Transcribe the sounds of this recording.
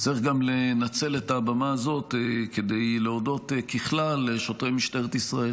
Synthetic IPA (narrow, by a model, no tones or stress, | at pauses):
t͡siχɡamlenat͡sele̞taːbamaːzo̞tked̪e̞jleodo̞t̪kiχlaleʃo̞tʁejmiʃteʁet̪isʁael